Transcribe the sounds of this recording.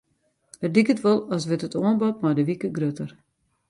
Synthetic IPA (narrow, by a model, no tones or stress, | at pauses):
ərdikətʋolˠɔsʋɪtətʰoənbɔtmadəʋikəɡrøtər